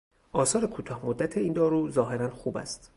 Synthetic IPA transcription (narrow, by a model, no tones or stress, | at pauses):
ʔɒːsɒːɾe̞kʰuːt̪ʰɒːhmod̪ːæt̪ʰeiːnd̪ɒːɾuːzɒːɦe̞ɾænxuːbæ̰st̪